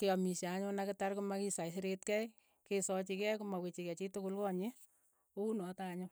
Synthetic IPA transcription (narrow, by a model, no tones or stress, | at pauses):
kɪjɔmiʃaaɲʊnakɪtarkʊmakisaisɪɾetkɛj | kesɔt͡ʃikɛkʊmawet͡ʃikɛt͡ʃitʊkʊlkɔɲɪ | ounɔtaɲʊ